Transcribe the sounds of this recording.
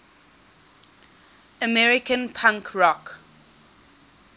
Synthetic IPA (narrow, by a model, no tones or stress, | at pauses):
əmɛɹikə̃npʰãŋkʰɹɔk